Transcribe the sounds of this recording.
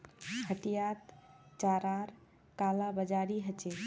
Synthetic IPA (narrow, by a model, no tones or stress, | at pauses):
kʰəʈijat̪t͡ʃaɾaɾ | kalabəd͡ʒaɾiɦət͡ʃe